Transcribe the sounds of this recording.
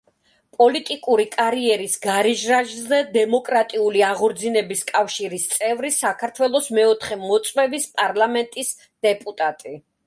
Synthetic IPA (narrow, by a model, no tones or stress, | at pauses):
pʼɔlit̪ʼikʼuɾikʼaɾiɛɾisɡaɾiʒɾaʒzɛd̪ɛmɔkʼɾat̪ʼiuliaʁɔɾd̪zinɛbiskʼafʃiɾist̪sʼɛvɾisakʰaɾt̪ʰwɛlˠɔsmɛɔt̪ʰχɛmɔt̪sʼwɛvispʼaɾlˠamɛnt̪ʼis | d̪̥ɛpʼut̪ʼat̪ʼi